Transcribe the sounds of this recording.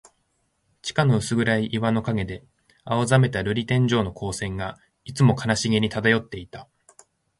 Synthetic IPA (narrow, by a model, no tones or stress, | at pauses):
t͡ɕi̥kano̞ɯ̟sɨɡɯ̟ɾaiʔiβano̞kaɡe̞d̪e̞ | aozame̞t̪aɾɯ̟ɾʲit̪ẽ̞ɲ̟d͡ʑo̞ːno̞kʰo̞ːsẽ̞ŋɡa | it͡sɨmo̞kanaɕiɡʲiɲ̟it̪ad̪ajo̞t̪ːe̞it̪a